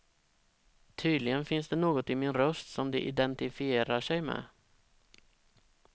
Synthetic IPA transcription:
t̪ʰyːd̪lɪɡənfɪnsd̪ɛnoːɡɔt̪ɪmɪnɾœst̪sɔmd̪ɛʔɪ̰d̪ɛnt̪ɪfɪeːɾaʂɛjmɛ̰

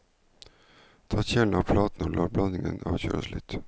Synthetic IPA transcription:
t̪ʰɑːɕɛlnavpʰlɑːt̪ənɔlʔɑːɾblanːɪŋənɑ̰ːvɕœ̰ːɾasly̰t̪

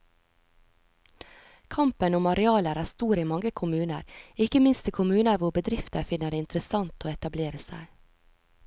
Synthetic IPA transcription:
kʰɑmpənʊmɑɾɛɑːləɾæːst̪uːɾiːmɑŋɡəkʰʊmʉːnə̰ɾɪkəmɪnst̪ikʰʊmʉːnəɾʋʊɾbəd̪ɾɪft̪əɾfɪnəɖeːɪnt̪ɾəsɑnt̪ʰoːɛt̪ɑbleːɾəsæ̰ɪ

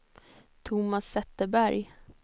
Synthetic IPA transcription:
t̪ʰʊmasːɛt̪ːəbæɾj

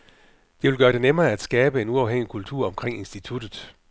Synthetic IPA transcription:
d̥eʋe̝lɡɶːɐɾ̥e̝nemɐːæd̥sɡ̥ɛːb̥əe̝nuɑ̈ʊɦeŋ̰ikʰult͡sʰuɐ̰ɒ̽mkʰʁeŋ̰e̝nsd̥it͡sʰud̥ð̩ˠ

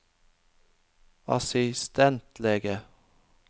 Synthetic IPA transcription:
ɑ̰sɪst̪ɛnt̪ʰleːɡə

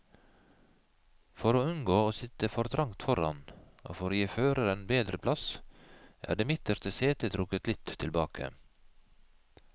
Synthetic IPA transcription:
fɔɾoːʉnɡoːoːsɪt̪əfɔɾt̪ʰɾɑŋt̪fɔɾɑ̰no̰ːfɔɾoːjiːføːɾəɾenbeːd̪ɾəpʰlɑs | ʔæ̰ːɖeːmɪt̪əɾst̪əseːt̪ət̪ʰɾʊkət̪lɪt̪ʰɪlbɑːkʰə̰

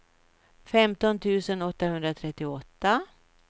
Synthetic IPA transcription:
fɛmt̪ɔnt̪ʰʉ̟ːsənɔt̪ːahɵnd̪ɾat̪ʰɾɛt̪ːɪɔt̪ːa

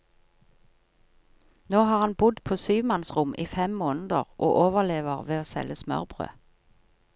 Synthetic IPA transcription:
noːhɑːʁhɑnbʊd̪pʰoːsyːʋmɑnsʁʊmʔiːfɛmmoːnəd̪əʁʔoːʔoːʋəʁleːʋəʁʋeːoːsɛ̰ləsmœ̰ʁbʁø̰ː

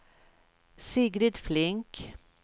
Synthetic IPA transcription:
siːɡɾɪd̪flɪŋk

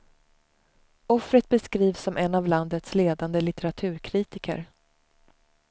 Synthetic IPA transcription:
ɔfɾət̪̚bɛskɾiːvsɔmʔɛnːavland̪ət̪sleːd̪and̪əlɪt̪ɛɾat̪ʰʉ̟ːɾkʰɾiːt̪ɪkə̰ɾ

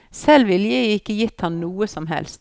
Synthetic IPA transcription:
sɛlʋɪljəɪɪkːəjɪt̪hɑnnuːəsɔmɦɛ̰lst̪

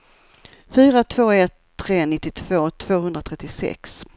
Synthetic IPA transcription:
fyːɾat̪ʰv̥oːɛt̪ʰːɾeːnɪt̪ːɪt̪ʰv̥oːt̪ʰv̥oːhɵnd̪ɾat̪ʰɾɛt̪ːɪsɛ̰ks

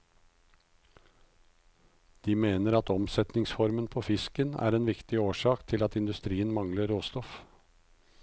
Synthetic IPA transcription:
d̪̥iːmeːnəɾɑt̪ɔmsɛt̪nɪŋsfɔɾmənpʰoːfɪskənæ̰ːɾeːnʋɪkt̪ɪoːʃɑːkt̪ʰɪlɑt̪ɪnd̪ʉst̪ɾiːənmɑŋləɾoːst̪ɔf

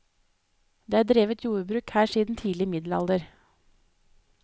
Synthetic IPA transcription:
d̪eːæːdɾeːʋət̪juːəbɾʉːkhæːʃiːd̪n̩t̪ʰiːlɪmɪd̪lɑ̰ld̪əɾ

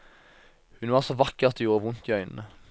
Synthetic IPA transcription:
hʉnʋɑːʁsɔʋɑkəʁɑt̪ejuːʁəʋʊnt̪iœʏnn̩ə

